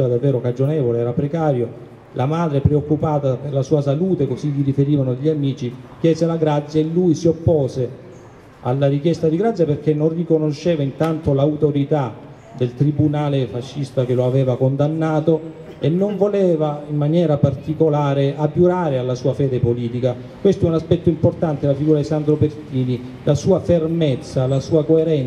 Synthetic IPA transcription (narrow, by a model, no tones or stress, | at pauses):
ɾad̪avːɛːɾokad͡ʒonɛːvoleɛːɾapɾekaːɾjo | lʔamaːd̪ɾepɾeokːupaːt̪aperlasuːasaluːt̪ekoziʎːiɾifeɾiːvanod̪eʎːamiːt͡ʃikjɛːzelaɡɾat̪sːjaelːujsiopːɔːze | a̰lːarikjɛst̪ad̪iɡɾat̪sːjaperk̟enːonrikonoʃːɛːvaint̪ant̪olauwt̪oɾit̪a | d̪elt̪ɾibunaːlefaʃːist̪ak̟eloavɛːvakond̪anːaːt̪o | enːoɱvolɛːvaimːanjɛːɾapart̪ikolaːɾead̪juɾaːɾealːasuːafɛːd̪epoliːt̪ika | kwest̪oɛunaspɛt̪ːoimport̪ant̪elafiɡuːɾad̪isand̪ɾopert̪iːni | lasuːafermet̪sːalasuːakoeɾɛn